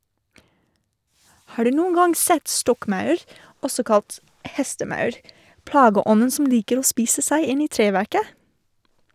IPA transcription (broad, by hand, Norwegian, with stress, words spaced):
ˈhɑː ˈɖʉː ˈnuːn ˈɡɑŋ ˈsɛt ˈstɔkˌmɑʉɾ ˈɔsɔ ˈkɑlt ˈhɛstəˌmɑʉɾ ˈplɑːɡəˌɔnn̩ sm̩ ˈliːkəɾ ˈoː ˈspiːsə ˈsæɪ ˈɪn ˈiː ˈtɾeːʋæɾkə